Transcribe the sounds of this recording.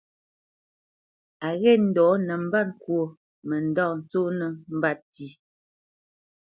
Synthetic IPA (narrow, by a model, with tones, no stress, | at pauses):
a˨ɣɛ˦˨n̩˨dɔː˨˦nɛ˨m̩˦ba˦t̚ŋ̩˨kwo˨ | mɛ˨n̩˦dɔ˦˨n̩˨t͡so˦nɛ˨m̩˦ba˦t̚ti˦